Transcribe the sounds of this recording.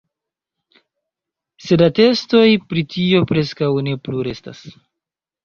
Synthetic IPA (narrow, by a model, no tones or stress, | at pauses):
se̞date̞sto̞jpɾitio̞pɾe̞skawne̞pluɾe̞sta̰s